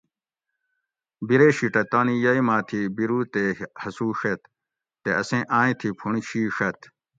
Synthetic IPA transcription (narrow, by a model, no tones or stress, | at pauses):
biɾeːɕiʈɐt̪aːnijɐimãːt̪ʰibiɾuːt̪ehɐsuːʂet̪ː | eɐsẽːʔãːĩt̪ʰipʰuɳ̃ɕʰiːʂɐt̪